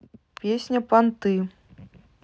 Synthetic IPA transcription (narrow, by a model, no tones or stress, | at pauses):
pʲesʲnʲɐpant̪ɨ